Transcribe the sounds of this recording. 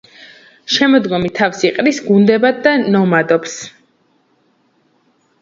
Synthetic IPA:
ʃɛmɔd̪ɡɔmit̪ʰafsiqʼɾisɡund̪ɛbad̪d̪anɔmad̪ɔps

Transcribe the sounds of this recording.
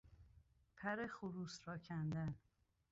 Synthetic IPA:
pʰæɾexuɾuːsɾɒːcʰænd̪æn

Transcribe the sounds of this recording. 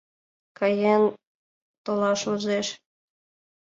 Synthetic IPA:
kɑjen | t̪olɑʃuzeʃ

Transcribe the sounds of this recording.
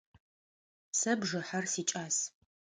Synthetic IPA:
sɐbʒɨħarsiːt͡ʃʼaːs

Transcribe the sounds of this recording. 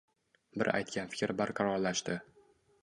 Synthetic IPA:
bɪ̰ɾa̰jt̪̚kʲʰanfɪ̥kʲɾbaɾqʰɑɾɒɾlaʃt̪ɪ

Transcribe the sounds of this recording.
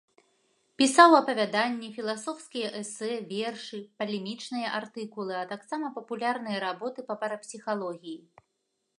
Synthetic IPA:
pʲisawɐpɐvʲad̪anʲːɛfʲilˠasɔwskʲijɐʔɛsɛvʲɛrʂɨpɐlʲɛmʲit͡ʂnɨjɐʔart̪ɨkulˠɨɐt̪aksamɐpɐpulʲarnɨjɐɾabɔt̪ɨpɐpɐɾɐpsʲixalˠɔɣʲiji

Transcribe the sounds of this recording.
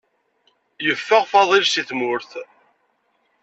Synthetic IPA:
jəfːəʁfɑðˤilsiθmʊɾθ

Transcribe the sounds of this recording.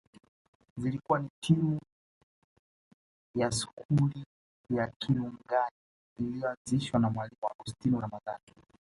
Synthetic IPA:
zilikuwanitʰimu | jasu̥kʰuli | jakʰinuŋɡaniː | lijɔand͡ziʃwanamwalimuwaɡustiniɾamaða̰ːni

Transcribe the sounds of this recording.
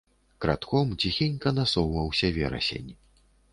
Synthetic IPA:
kɾat̪kɔmt͡sʲixʲinʲkɐnasɔwvɐwsʲɐvʲɛ̰ɾɐ̰sʲḛnʲ

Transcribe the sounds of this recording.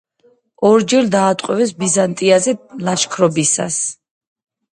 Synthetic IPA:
ɔɾd͡ʒɛɾd̪aːt̪ʼqʼwɛvɛsbizant̪ʼiazɛlaʃkʰɾɔbisa̰s

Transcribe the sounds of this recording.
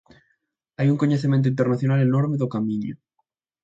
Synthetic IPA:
ajuŋkoɲeθemẽnt̪oint̪̬eɾnaθjonalenoɾmeðokamĩɲo̰

